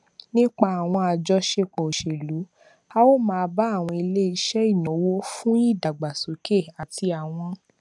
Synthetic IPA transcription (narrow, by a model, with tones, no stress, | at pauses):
nĩ˦k͡pa˧a˨w̃ɔ̃˧a˧d͡ʒɔ˧ʃe˧k͡pɔ˨o˨ʃe˨lu˨˦ | a˧wo˦˨mãː˦˧ba˦a˦˨w̃ɔ̃˧i˧le˦i˧˦ʃɛ˦i˦˨nɔ̃˨˦wo˦fũ˦i˦˨da˨ɡ͡ba˨so˨˦ke˦˨a˨ti˧a˨w̃ɔ̃˧